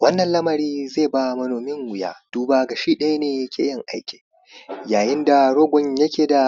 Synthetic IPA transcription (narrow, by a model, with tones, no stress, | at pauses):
wɐ˦nːɐ˨nlɐ˦mɐ˨ɾiː˦zeː˦˨ba˦mɐ˦noː˨mɪ˦ŋwʊ˨ja̰ː˦d̥uː˦baː˦ɡa˨ʃiː˦ɗɐ˦ja˦neː˨jkʲeː˦jɐ˦˨ŋʔa˦jkʲe̥ː˨ | jaː˨jɪ˦nda˨ɽoː˦ɡʷɔ˨ɲjɐ˦kʲeː˨da˨